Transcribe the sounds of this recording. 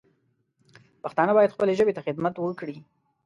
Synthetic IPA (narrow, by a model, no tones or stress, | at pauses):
paxt̪ɑnəbɑjad̪xpəleʒəbet̪axɪd̪mat̪wəkɽi